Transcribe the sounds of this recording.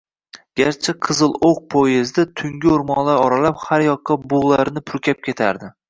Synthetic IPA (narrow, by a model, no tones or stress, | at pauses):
ɡʲaɾt͡ʃʰaqʰɨzɨlˠoq̚pʰojezd̪ɪt̪ʰʊŋɡʲɪʊɾmɒnlaɾɒɾalaphaɾjɒqʰːɑbʊʁlˠaɾnɪpʰʊɾkʲap̚kʲʰe̞t̪ʰa̰ɾd̪ɪ